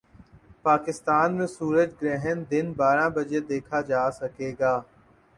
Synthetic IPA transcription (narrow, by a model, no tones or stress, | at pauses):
paːkɪst̪aːnmẽsuːɾəd͡ʒɡɾɛːɦənd̪ɪnbaːɾãbɐd͡ʒed̪eːkʰad͡ʒaːsɐkeːɡaː